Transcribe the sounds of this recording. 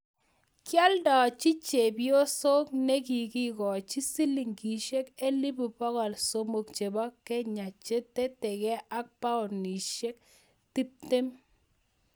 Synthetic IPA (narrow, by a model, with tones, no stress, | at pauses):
kja˦ldɔ˨t͡ʃi˦t͡ʃe˨bjo˦so˦k̚nɛ˦k̬i˨ki˦kɔ˨t͡ʃi˦si˦li˨ŋki˨ʃe˦ke˦li˦bu˨pɔ˦kɔ˨lso˦mo˨kt͡ʃe˨bɔ˦kɛ˦ɲa˨t͡ʃe˦te˦tɛ˨kɛ˦ʔa˦k̚pa˦ʊ˨ni˨ʃe˦k̚ | ti˦p̚te˦m